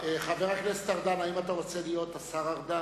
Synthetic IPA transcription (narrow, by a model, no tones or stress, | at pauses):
eχaveʁaklest̪aʁd̪anaimat̪aʁo̞t͡selijo̞t̪asaʁaʁd̪a